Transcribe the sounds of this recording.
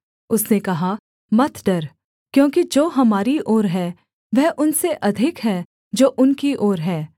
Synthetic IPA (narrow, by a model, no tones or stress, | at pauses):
ʊsnekɐɦa | mɐt̪ʰɖɐɾ | kjõːkid͡ʒoːɦɐmaːɾiʔoːɾɦɛː | ʋɛɦʔʊnseʔɐd̪ʱɪkɦɛː | d͡ʒoːʔʊnkiʔoːɾɦɛː